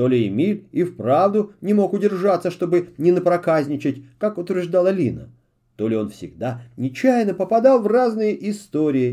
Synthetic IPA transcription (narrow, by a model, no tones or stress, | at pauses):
t̪o̞lʲɪɪmʲilʲifpɾavd̪ʊnʲɪmo̞kʊdʲɪrʐat̪səʂt̪o̞bɨnʲɪnəpɾɐkazʲnʲɪt͡ɕɪtʲkakʊt̪vʲɪrʐd̪alˠəlʲinə̰ | t̪o̞lʲɪo̞nfsʲɪ̰ɡd̪anʲɪt͡ɕæjnəpəpɐd̪ɑlˠvraznɨjəʔɪst̪o̞ɾʲɪjɪ